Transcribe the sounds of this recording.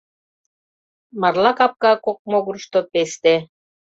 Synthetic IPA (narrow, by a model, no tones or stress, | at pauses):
mɑrlɑkɑp̚kɑkok̚moɣuɾ̆ʃt̪opest̪e